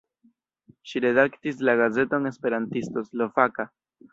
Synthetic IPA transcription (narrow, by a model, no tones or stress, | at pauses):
ʃiɾe̞daktis̬laɡaze̞toŋe̞spe̞ɾantisto̞slo̞faka